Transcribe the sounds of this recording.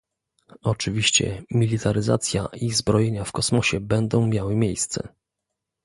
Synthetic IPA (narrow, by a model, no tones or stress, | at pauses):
ɔt͡ʂɘvʲiɕt͡ɕɛ̰mʲilʲit̪ʰaɾɘza̰t̪sʲja̰ʔizbɾɔjeɲafkɔsmɔɕɛbɛnd̪ɔ̃w̃mʲjawɘmʲjejst̪sɛ̰